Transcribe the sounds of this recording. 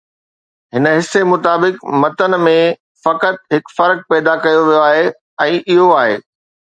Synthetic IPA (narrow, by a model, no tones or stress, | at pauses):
ɦɪnə̆ɦɪsːemʊt̪aːbɪkmɐt̪ən̆mẽ | fɐkət̪̚ɦɪkfɐɾk̚pɛːd̪akɐjoʋijoaːɦe | ɛ̃ːʔɪɦoaːɦḛː